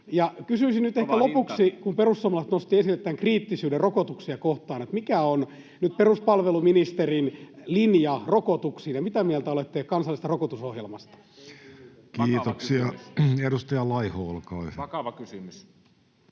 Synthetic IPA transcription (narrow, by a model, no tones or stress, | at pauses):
jɑkysyisinnyt̪ehkkælopuksikumperusːuomɑlɑt̪nost̪iesilːet̪t̪ːæŋkriːt̪ːisyːderokot̪uksiɑkoht̪ɑːnet̪mikæon | nyt̪̚peruspɑlʋeluminist̪erinlinjɑrokot̪uksiːnjɑmit̪æmiælt̪æolet̪ːekkɑnsɑlːist̪ɑrokot̪usohjelmɑst̪ɑ̥ | kiːtt̪oksiɑeɾust̪ɑjɑlɑihoːlkɑiʋɑkysymys